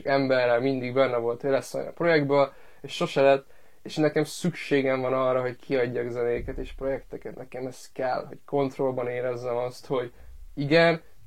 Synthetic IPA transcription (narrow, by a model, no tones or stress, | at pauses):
kɛmbɛrːɛlmind̪iɡbɛnːɛvo̞lt̪ʋelɛsɛ̰nɒ̰pro̞jɛɡ̚d̪bøl | eʃʃo̞ʃɛlɛt̪ː | eʃnɛkɛmsykʃeːɡɛɱvɒnɒrːɒɦo̞ckʰiɒɟːɒːɡzɛneːkɛt̪eːʃpro̞jɛkt̪ɛkɛt̪nɛkɛmɛst̪kɛlho̞̰cko̞nt̪ro̞lbɒneːɾɛzːɛmɒst̪ho̞ɟ | iɡɛn